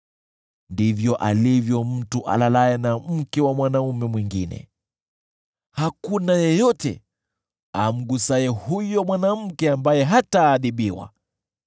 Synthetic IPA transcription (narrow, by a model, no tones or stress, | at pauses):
ndivjɔʔalivjɔm̩tuʔa̰lalajɛnam̩kɛwamwanaumɛmwiŋɡinɛ̰ | hakunajɛjɔtɛ̰ | am̩ɡusaɛhujɔmwanam̩kɛambajɛɦataːɗiɓiwa̰